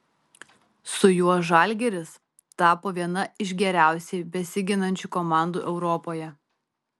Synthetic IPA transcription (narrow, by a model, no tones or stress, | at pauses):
sʊjuɔʒɑˑlʲɡʲɛɾʲɪs | t̪ɑːpoːʋʲiɛnɐɪʃɡʲɛɾʲæˑʊsʲɛɪbʲɛsʲɪɡʲɪnɐnʲt͡ʃʲuˑkɔmɑˑnd̪uːʔɛʊɾɔpoːjɛ